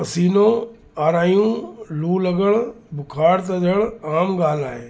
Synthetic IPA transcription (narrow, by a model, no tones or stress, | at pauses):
ɐsiːnoː | aːɾaːjũluːləɡəɭ | bʱʊkʰaːɽt̪ɐd͡ʒəɭaːmɡaːlaːɦeː